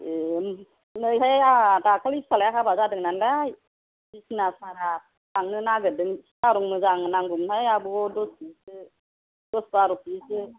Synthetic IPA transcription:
em | nɯjɦajatakʰalispʰalajakʰabazadɯŋnanɾaj | bisnasaɾa | aŋnɯnaɡɯdɯŋstaɾuŋmɯzaŋnaŋɡumhajabɯɔdɔsisɯ | dɔsbaɾupisɯ

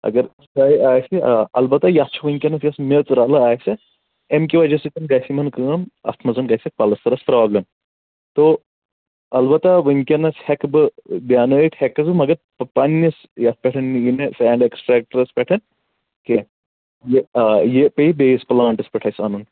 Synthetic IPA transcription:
ɐ̰ɡɐɾ | kajiaːjseɐlbɐt̪ajast͡ʃʰuʋəŋkʲɐnɐsjɐsmʲet͡sɾalɐajse | emkʲiʋad͡ʒɐsik̪ɐnɡajsimɐnkəːmɐ̰st̪ʰmɐzunɡajsɐk̚palɐst̪ɐɾɐspɾaːblem | t̪o | ɐlbɐt̪aʋəŋkʲɐnɐshɛkbɨd̪jaːnəʈ̪ʰhɛkɐzmɐɡɐ | pɐnːɐs | jas̚pʲɛʈʰɐnːijinesɛːɳɖeksʈɾɛk̚ʈɾɐspʲɛʈʰɐn | ke | jejepeib̪ejisplaːɳʈɐspʲɐʈʰajsanun

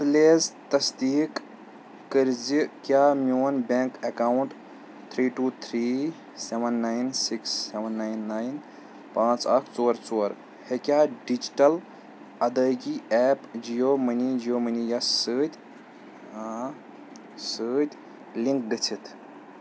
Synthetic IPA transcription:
t̪leːzt̪ɐsd̪ikː | əɾd͡ʒikjamjonbeŋkekawɳʈ | t̪ʰɾiːʈuːt̪ʰɾi | seʋənːajnsiksːeʋənːajnːajn | pãːt͡sakʰt͡soːɾt͡soːɾ | hekʲjaɖid͡ʒiʈəl | ɐd̪əjɡiʔɛːpd͡ʒijomənid͡ʒijomənijasəːt̪ʲ | səːt̪ʲ | liŋk̚ɡət͡ʃʰit̪ʰ

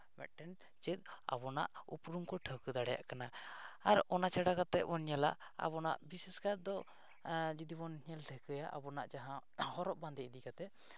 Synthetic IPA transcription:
mɛ̰ʈɛn | t͡ʃɛt̪̚a̰bɔna̰ʔṵpɾuŋkɔʈʰəkɯd̪aɽɛja̰ʔkanaaɾɔnat͡ʃʰaɽakat̪ɛʔ̚bɔnɲala̰ʔ | a̰bɔna̰ʔbisɛskaɾd̪ɔ | d͡ʒid̪ibɔnhɲɛltʰɛkʰəjaʔa̰bɔnaʔd͡ʒaɦãhɔɾɔʔband̪ɛid̪ikat̪ɛ

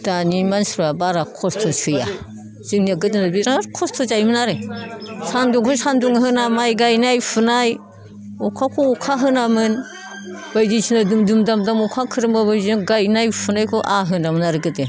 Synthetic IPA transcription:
d̥animansɾabaɾakʰɔstʰɔsɯja̰ | z̥ɯŋniaɡɯdɯnabiɾakʰɔstʰɔzajmɯnaɾesanduŋkʰɔsanduŋɦɯnamajɡajnajpʰunaj | ɔkʰakʰɔukʰaɦɯnamɯn | b̥ajdisʰinadumdumdamdamɔkʰakʰɯɾɯmabɯziɡajnajpʰunajkʰɔʔaɦɯnamɯnaɾɯɡɯte

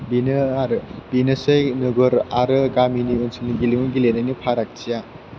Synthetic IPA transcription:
binɯaɾɯbinɯsɯjnɯɡɯɾaɾɯɡaminiunsinɯɡilimɯɡilenajnipʰaɾak̚t͡ʃija

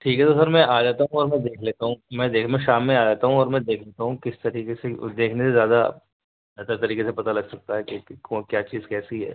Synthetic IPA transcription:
ʈʰiːkɦɛt̪os̬ɐɾmɛ̃ʔaːd͡ʒaːt̪aɦũɔːɾmɛ̃d̪eːkʰleːt̪aɦũmɛ̃d̪eːkmɛ̃ʃaːmːẽaːd͡ʒaːt̪aɦũɔːɾmɛ̃d̪eːkʰleːt̪aɦũkɪst̪ɐɾiːkesed̪eːkʰnesezjaːd̪a | ɛt̪əɾt̪ɐɾiːkesepɐt̪alɐɡsɐk̚t̪aɦɛkekɔ̃kjaːt͡ʃiːzkɛːsiɦɛ̰ː

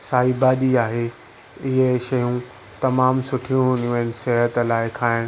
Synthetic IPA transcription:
saːibaːɗiaːɦe | ɪɦeʃɐjũ | t̪ɐmaːmsʊʈʰijũɦũːnd̪ũʋəɪnɪ̆seɦət̪laːɪkʰaːɪɽ̃

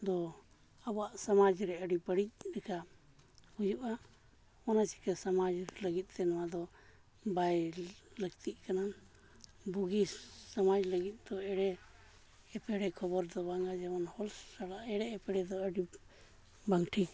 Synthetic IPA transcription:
d̪ɔ | abɔaʔsamad͡ʒɾɛəɖipəɽic̚ɾɛka | hujuʔa | ɔnasi̥kasamad͡ʒləɡit̪̚ˀt̪ɛnɔwad̪ɔ | bajləɡt̪ʰiʔkanan | buɡisamad͡ʒləɡit̪̚d̪ɔɛɽɛː | pɛɽɛkʰɔbɔɾd̪ɔbaŋɡad͡ʒɛmanhɔlsːaɽaʔɛɽɛːpɛɽɛd̪ɔəɖi | baŋʈʰi

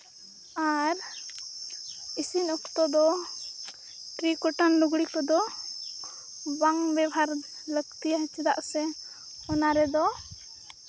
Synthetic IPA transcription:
aɾ | isinɔkt̪ɔd̪ɔ | ʈɾikɔʈanluɡɽikɔd̪ɔ | baŋbɛbʱaɾ | ləɡt̪ijat͡ʃɛd̪a̰ʔsɛ | hɔnaɾɛd̪ɔ

